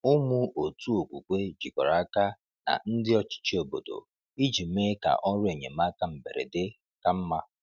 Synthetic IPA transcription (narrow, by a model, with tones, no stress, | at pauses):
ʊ˦mʊ˦ʔo˨tu˦o˨kʷṵ˨kʷe˦d͡ʒi˨kɔ˨ɾa˦ka˦ | na̰˨n̩˦dɪ˦ɔ˦t͡ʃɪ̥˦t͡ʃi˦o˨bo̰˨do̰˨ | i˦d͡ʒi˨m˦e˦ka̰˨ʔɔ˦ɾʊ˦e˨ɲḛ˨m˦a˦ka˦m̩˨bḛ˨ɾḛ˨dɪ˦ | ka˨m̩˦ma˦